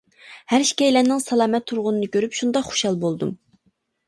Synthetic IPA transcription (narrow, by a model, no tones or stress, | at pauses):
hæɾʃi̥kʲɛjlɛnɪŋsɑlˠɑːmɛt̪ʰːuɾʁʊnɨnɨkʲøɾypʃund̪ɑqχo̥ʃɑlˠbolˠd̪ṵm